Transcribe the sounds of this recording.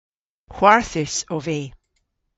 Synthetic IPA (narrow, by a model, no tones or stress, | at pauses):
hw̥aɹθɪsove